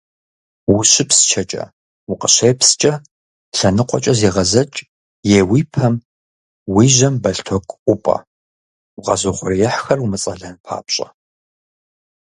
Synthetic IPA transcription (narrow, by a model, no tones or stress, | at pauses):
wʊɕɪpst͡ʃʰɐt͡ʃʼɐ̰ | wʊqəɕeːpʰst͡ʃʼɐ | ɬɐnɨqʷʼɔ̰t͡ʃʼɐziːʁɐzɐt͡ʃʼ | jeːwiːpʰɐm | wiːʒɐmbɐɬtʰokʼʷʊpʼɐ̰ | wʁɐzoχʷʊrijɛħxɐrwʊmɨt͡sʼɐɮɐnpʰa̰ːpɕʼɐ